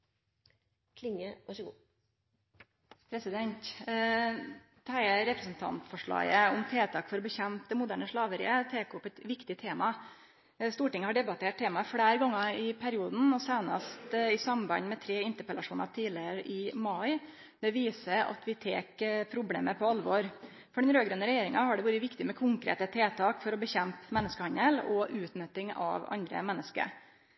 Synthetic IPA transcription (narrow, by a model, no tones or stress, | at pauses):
kʰlɪŋəʋɑʂəɡṵː | pʰɾɛsɪd̪ɛnt̪ | t̪ʰæɪɾɛpɾəsn̩t̪ʰɑ̰nt̪fɔʂɭɑ̰ːɡəʊmt̪ʰeːt̪ʰɑːkfɔɾɔbɛçɛmpd̪ɛmʊd̪æːɳəʂɭɑːʋəɾɪ̰ət̪ʰeːkʊpɛt̪ʋɪkt̪ɪt̪ʰeːmɑ | st̪uːʈɪŋəhɑɖɛbɑt̪ʰeːʈ̚t̪ʰeːmɑfɽæːɾɡɔŋːəɪpʰæɾɪuːd̪n̩ɔsæɪnɑ̰st̪ɪsɑmbɑ̰ɲmɛt̪ʰɾeːɪnt̪əɾpɛlɑʂuːnɑ̰t̪ʰiːlɪəɾʔɪmɑɪ | d̪̥ɛʋiːsəɾɑ̰t̪ʰʋɪt̪ʰeːkpʰɾʊblḛːməpʰɔɑlʋɔɾ | fɔɖɛnɾøːɡɾœnəɾɛjeːɾɪŋɑhɑɖɛʋuːɾəʋɪkt̪ɪmɛkʰʊŋkɾḛːt̪ət̪ʰeːt̪ʰɑːkfɔɾɔbəçɛmpmɛnːəskəhɑnəlɔʔʉːt̪nœt̪ːɪŋɑ̰ʋɑ̰nd̪ɾə̰mɛnːəskə̰ɾ